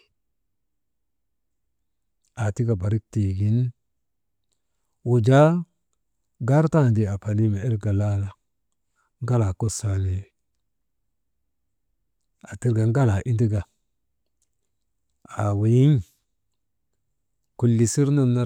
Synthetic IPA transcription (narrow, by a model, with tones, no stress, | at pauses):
a˨ti˦ɡa˨ba˨ɾi˦k̚te˨ɡi˨n | wu˨d͡ʒa˦ | ɡa˦ɾta˦˨ndi˨a˨pa˨ni˦ma˨e˦lɡa˨la˦la˨ | ŋ˦ɡa˦la˨ko˦sa˨ne˨ | a˨ti˦ɾɡa˨ŋɡa˦la˨ʔi˦di˦ɡa˨ | a˨wi˨ji˦n | ku˨lːi˨si˦ɾno˦na˦